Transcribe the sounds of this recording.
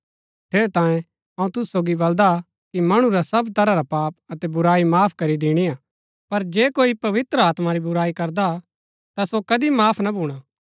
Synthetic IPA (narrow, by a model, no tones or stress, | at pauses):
ʈʰeːɾet̪ãːjẽ | ɐũt̪ʊssoːɡibɐld̪a | kimɐɽ̃ũɾasɐbt̪ɐɾaɾapaːp̚ɐt̪ɛbʊɾaːimaːpʰkɐɾid̪ɪɽ̃iaː | pɐɾd͡ʒeːkoːipɐʋɪt̪ɾəaːt̪maɾibʊɾaːikɐɾd̪a | t̪asokɐd̪imaːpʰnɐbʱuːɽ̃a